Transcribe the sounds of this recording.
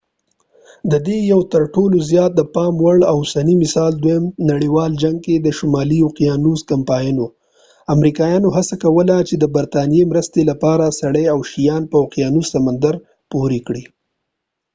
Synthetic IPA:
d̪əd̪ejawt̪əɾʈolozjɑt̪̚d̪əpɑmwaɽawʊsanimɪsɑld̪wajəmnaɽiwɑld͡ʒaŋɡ̚ked̪əʃʊmɑlijoqijɑnuzkampɑjno | amɾikɑjɑnoɦasakawəlat͡ʃed̪əbaɾt̪ɑnijemɾəst̪elapɑɾasaɽeawʃijɑnpawqijɑnusamand̪aɾ | poɾikɽi

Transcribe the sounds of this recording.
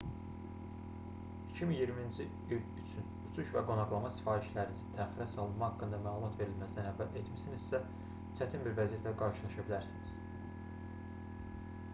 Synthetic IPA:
i̥cʰiminjiɾmind͡ʒi | ilyt͡ʃʰynut͡ʃʰuʃvæ̰ɡo̞nɑχlˠɑmɑsi̥fɑːɾiʃlæɾinizint̪ʰæːxiɾæsɑlˠɯnmɑɦɑkːɯnd̪ɑmæːlˠumɑt̪ve̞ɾilmæsd̪ænhævælʔet̪misinizsæ | t͡ʃʰæt̪ʰinbiɾvæzijet̪ʰlæɡɑɾʃɯlˠɑʃɑbilæɾsiniz̥

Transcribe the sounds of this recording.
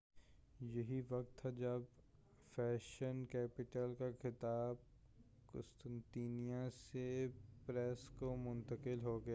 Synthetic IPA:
jɐɦiʋɐk̚t̪ʰːad͡ʒɐb | fɛːʃənkɛːpɪʈəlkaxɪt̪aːb̚ | kʊ̰st̪ə̃nt̪iːnijãsepɾɛskomʊ̃nt̪əkɪlɦoɡɐjaː

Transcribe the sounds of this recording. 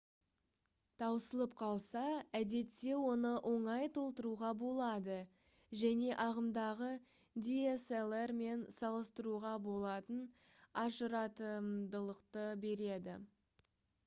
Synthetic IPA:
t̪ʰɑwəsəlˠəp̚qʰɑlˠsɑæd̪e̞t̪ːe̞wo̞nəʔo̞ɴɑjt̪ʰo̞lˠt̪əɾuʁɑbo̞lˠɑd̪ə | ʒæne̞ʔɑʁəmd̪ɑʁə | d̪ʲieselˠerme̞nsɑlˠəst̪əɾuʁɑbo̞lˠɑt̪ən | ɑʒəɾɑt̪əmd̪əlˠəqt̪əbe̞ɾe̞d̪ɪ̰

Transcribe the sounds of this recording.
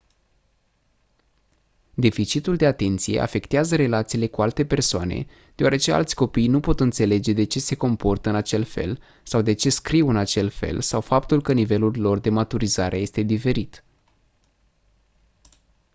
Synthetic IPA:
d̪e̞fit͡ʃit̪uld̪e̞at̪e̞nt̪sije̞̰ʔa̰fe̞kt̪eazəɾe̞lat̪siːle̞kualt̪e̞pe̞rsoa̰nḛ | d̪̥eoaɾe̞t͡ʃe̞a̰lt̪sʲko̞pijnupo̞t̪ɨnt̪se̞le̞d͡ʒe̞d̪e̞t͡ʃe̞se̞ko̞mpo̞rt̪əɨnat͡ʃe̞lfe̞̰l | sawd̪e̞t͡ʃe̞skɾiwɨnat͡ʃe̞lfe̞̰lsawfapt̪ulkənive̞lullo̞rd̪e̞mat̪uɾizaɾʔe̞je̞st̪e̞d̪ife̞ɾit̪

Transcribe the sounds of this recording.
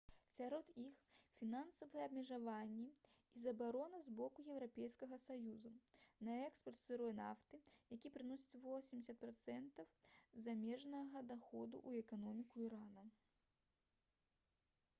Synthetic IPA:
sʲaɾɔd̪ixfʲinansɐvɐjɛɐbmʲɛʐavanʲːɛizɐbaɾɔnɐzbɔkujɛwɾapʲɛjskɐɣɐsajuzunɐɛkspɐrt̪sɨɾɔjɛna̰ft̪ɨjakʲipɾɨnɔsʲi̥t͡sʲvɔsʲimʲdʲɪsʲɐt̪̚pɾat̪sɛnt̪ɐwzamʲɛʐnɐɣɐd̪axɔd̪ṵʔuɛkanɔmʲikuiɾanɐ

